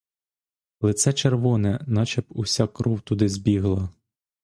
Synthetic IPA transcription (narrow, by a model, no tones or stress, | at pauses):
lˠɪt̪sɛt͡ʃerʋɔnɛnɑt͡ʃɛpusʲɑkɾɔwt̪ud̪ɪzʲbʲiɦlˠɐ